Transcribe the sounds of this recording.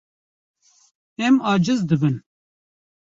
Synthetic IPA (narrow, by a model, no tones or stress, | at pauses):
ɛmɑːd͡ʒɨzd̪ɨbɨn